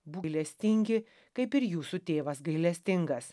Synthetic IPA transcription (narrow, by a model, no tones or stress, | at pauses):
buɪlʲɛsʲt̪ʲɪŋʲɡʲɪ | kɐɪpɪɾjuːsut̪ʲeːʋɐs̬ɡɐɪlʲɛsʲt̪ʲɪŋɡɐs